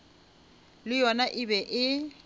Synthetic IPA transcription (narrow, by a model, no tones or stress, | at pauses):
lɪjɔnaʔɪbɛʔɪ